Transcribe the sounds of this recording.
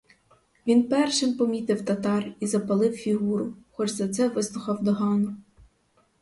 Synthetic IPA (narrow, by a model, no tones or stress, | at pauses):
ʋʲinpɛrʃɪmpɔmʲit̪ɪwt̪ɐt̪ɑrizɐpɐlˠɪwfʲiɦuɾʊxɔd͡ʒzɐt̪sɛʋɪslˠʊxɑwd̪ɔɦɑnʊ